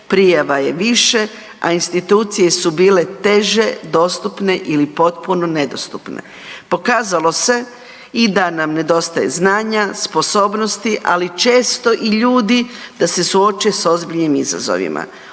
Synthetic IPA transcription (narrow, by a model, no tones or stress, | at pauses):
pɾijaʋaje̞ʋiʃe̞ | a̰inst̪it̪uːt̪sije̞subiːle̞t̪e̞ʒe̞d̪o̞st̪upne̞ʔilipo̞t̪̚puno̞ne̞d̪o̞̰st̪upnḛ | po̞kaːzalo̞se̞ | id̪anamne̞d̪o̞st̪ajḛznaːɲaspo̞so̞ːbno̞st̪iʔa̰lit͡ʃe̞ːst̪o̞ʔiʎuːd̪id̪̥ase̞suot͡ʃeso̞zbiʎnimiza̰zo̞̰ʋḭmʔa̰